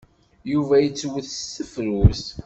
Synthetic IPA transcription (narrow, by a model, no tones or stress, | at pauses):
juvæjət͡sːwəθsəfɾwus